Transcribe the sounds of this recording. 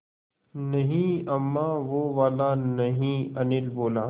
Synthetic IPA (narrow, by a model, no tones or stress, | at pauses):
nɐɦĩɐmːaːʋoːʋaːlaːnɐɦĩːɐnɪlboːlaː